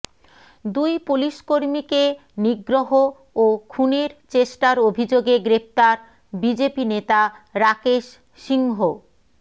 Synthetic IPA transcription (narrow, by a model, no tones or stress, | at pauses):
d̪ujpuliʃkoɾmike | niɡɾoɦo | okʰuneɾt͡ɕeʃʈaɾobʱid͡ʑoɡeɡɾep̚t̪aɾ | bid͡ʑepinet̪aɾakeʃ | ʃiŋɦo